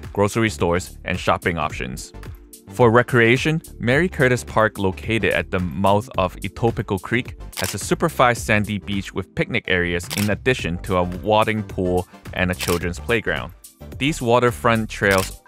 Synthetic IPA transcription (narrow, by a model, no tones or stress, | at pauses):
ɡ̥ɹoʊsə˞istɔɹzʔɨ̰̃nʃɑpɪ̃ŋɑ̰pʃɨ̰̃nz̥ | fə˞ɹɛkʰɹieɪʃɨ̃nmɛɹikʰɜ˞ɾɨspʰɑɹkloʊkʰeɪɾɨ̰ɾɨ̰t̪̚ðəmaʊθʌvitʰoʊpɨkl̩ˠkʰɹ̥ikɨz̥ɨsʉpə˞faɪssæ̃ndibit͡ʃwɨð̥pɪk̚nɨkɛɹiɨzɪ̃nɨdɪʃɨ̃ntʰəəwɔɾɪ̃ŋpʰulˠʔɨ̰̃nɨt͡ʃʰɪlˠdɹɨ̃nz̥pʰl̥eɪɡɹã̰ʊ̃n | ðizwɔɾə˞fɹʌ̃ntʰɹ̥eɪlˠz